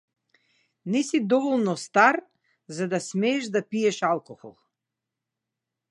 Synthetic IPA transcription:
nɛsid̪ɔvɔlˠnɔst̪aɾ | zad̪asmɛːʒd̪apiɛʃalˠkɔxɔ̰lˠ

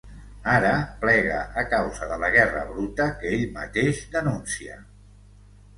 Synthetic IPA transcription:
aɾəplɛɣə̰ʔːkawzəðələɣɛrə̰βɾut̪əkəeʎmət̪eʒd̪ənunsiə̰

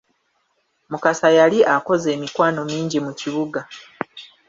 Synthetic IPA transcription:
mukasajaliʔako̞ze̞ːmikwaːno̞miːɲɟimuciβuɡa

